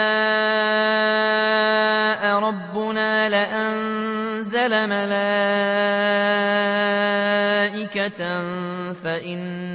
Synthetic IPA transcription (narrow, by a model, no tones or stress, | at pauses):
a | ʔaɾˤɑbːʊnaːlɪʔan | zalamalaː | ʔɪka | faʔɪnː